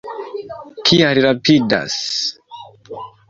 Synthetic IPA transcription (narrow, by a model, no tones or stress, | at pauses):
kʰiaɾiɾapida̰s